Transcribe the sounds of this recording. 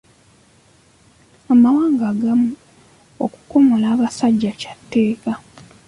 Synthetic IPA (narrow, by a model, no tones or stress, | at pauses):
amawaːŋɡaːɡamu | o̰ku̥ko̞molaːβasaɟːacḁtːe̞ːka